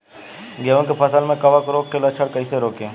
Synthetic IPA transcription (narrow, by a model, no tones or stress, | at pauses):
ɡeʋə̃kepʰɐsəlmẽkɐʋakɾoːkkʰːeːlɐt͡ʃʰəɽkəiseɾoːkẽː